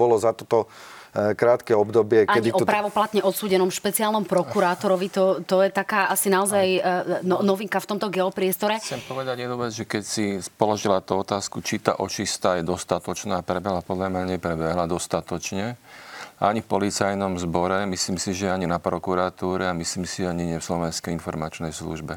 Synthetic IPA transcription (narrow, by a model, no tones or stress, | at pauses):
ɔlɔzat̪ɔt̪ɔ | kɾaːt̪kɛɔbd̪ɔbɪɛkaɛɲd̪iɔpɾaːʋɔplat̪ɲɛʔɔt̪suːɟɛnɔmʃpɛt͡siaːlnɔmpɾɔkuɾaːt̪ɔɾɔʋit̪ɔt̪ɔjɛt̪akaːʔasinaɔzajnɔnɔʋiŋkaft̪ɔmt̪ɔɡɛɔpɾɪɛst̪ɔɾɛt͡sɛmpɔʋɛd̪aɟjɛd̪nuːʋɛd͡zʒɛkɛcsipɔlɔʒilat̪uɔt̪aːskut͡ʃit̪a̰ːʔɔt͡ʃist̪aːjɛd̪ɔst̪at̪ɔt͡ʃnaːpɾɛbɛɦlapɔd̪ʎamɲaɲɛpɾɛbɛɦlad̪ɔst̪at̪ɔt͡ʃɲɛʔa̰ɲifpɔlit͡sajnɔmzbɔɾɛmisliːmsiʒɛɛaɲinapɾɔkuɾat̪uːɾɛamisliːmsiaɲiɲɪɛfslɔʋɛnskɛjinfɔɾmat͡ʃnɛjslṵʒbɛ